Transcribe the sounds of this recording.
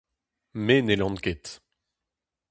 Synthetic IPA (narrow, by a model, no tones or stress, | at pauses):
menelɑ̃nket̪